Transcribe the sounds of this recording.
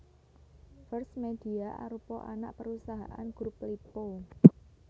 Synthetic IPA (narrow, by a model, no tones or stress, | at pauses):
fərsmed̥iaʔa̰ɾupɔʔana̰ʔpəɾusaɦa̰ʔa̰nɡ̥ɾup̚lipo